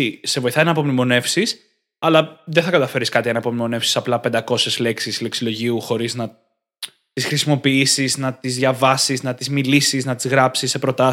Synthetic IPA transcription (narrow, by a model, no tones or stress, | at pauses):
ise̞vo̞iθɐinɐːpo̞mnimo̞ne̞fsis | ɐlɐðeθɐkɐt̪ɐfe̞ɾiskɐt̪iʝɐnɐːpomnimo̞ne̞fsi̥sɐplɐpend̪ɐko̞sezle̞ksisle̞ksilo̞ʝiuxo̞ɾiznɐ | t̪isxɾisimo̞piisiznɐt̪izðʝɐvɐsiznɐt̪izmilisiznɐt̪izɣɾɐpsisːe̞pɾo̞t̪ɐ